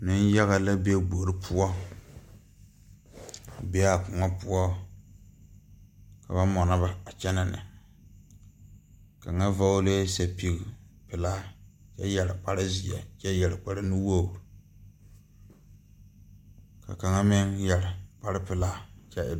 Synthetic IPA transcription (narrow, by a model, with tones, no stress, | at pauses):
nɪ˦n˦ja˦ɣa˨la˦be˦ɡ͡bo˨ɾɪ˦pʰʊ˦ɔ˦˨ | be˦a˨kʊ˨ŋa˦pʊ˦ɔ˦ | ka˨βa˦mɔ˨na˦ba˨a˨t͡ʃɛ˦na˨nɪ̰˨ | ka˨ŋa˦va˦le˦sa˨pi˦ɡi˨pɪ˨la˦t͡ʃɛ˦jɛ˨ɾɪ˨k͡pa˦ɾɪ˦zi˨ɛ̰˨t͡ʃɛ˦jɛ˨ɾɪ˨k͡pa˦ɾɪ˦nu˦wo˦˨ | ka̰˨ka˨ŋa˦mɪ˦ŋjɛ˨ɾɪ˨k͡pa˦ɾɪ˦pɪ˨laː˦t͡ʃɛ˦˨